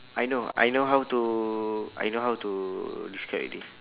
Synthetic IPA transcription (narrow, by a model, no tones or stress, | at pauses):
ajnoa̰jnoɦawtu | a̰jnoɦawtudiskʰɹapdi